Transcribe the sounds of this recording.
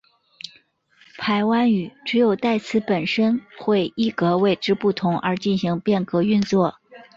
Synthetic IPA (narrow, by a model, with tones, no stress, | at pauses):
pʰa˧˥ɪwa˥ny˨˩ʈ͡ʂɻ̩˧˥jo˨˩ʊt̪a˥˩ɪt͡sʰɹ̩˧˥pə˨˩nʂə˥nxwe˥˧ɪi˥˩kɤ˧˥we˥˩ɪʈ͡ʂɻ̩˥pu˥˩t̪ʰʊ˧˥ŋʔə˞˧˥t͡ɕi˥˩nɕi˧˥ŋpjɛ˥˩nkɤ˧˥y˥˧nt͡swɔ˥˩